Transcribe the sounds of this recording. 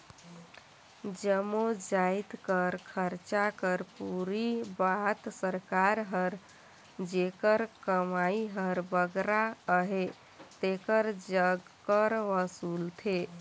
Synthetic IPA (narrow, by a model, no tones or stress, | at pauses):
d͡ʒəmod͡ʒait̪kəɾkʰəɾt͡ʃakəɾpuɾibat̪səɾkaɾɦəɾ | d͡ʒekəɾkəmaiɦəɾbəɡɾaəɦe | t̪ekəɾd͡ʒəɡ | kːəɾʋəsult̪ʰe